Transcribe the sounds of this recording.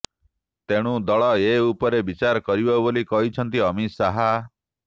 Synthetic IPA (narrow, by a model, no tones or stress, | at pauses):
t̪eɽ̃ũd̪ɔɭɔeupɔɾebit͡ʃaɾkɔɾibɔbolikɔɦit͡ʃʰɔnt̪iɔmisaɦa